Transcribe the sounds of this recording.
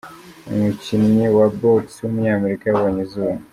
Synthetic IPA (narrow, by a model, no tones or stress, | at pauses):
ŋucinɲewabokswomuɲaːmeɾikawaɲizuːmu